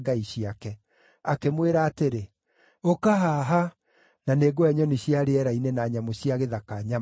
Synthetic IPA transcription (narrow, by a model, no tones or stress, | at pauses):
ɡaiɕiakɛ | akemweɾaːteɾe | okaɦaɦa | naneɡɔɛɲɔneɕiaɾeɛɾainenaːɲamoɕiaɣeðakaɲa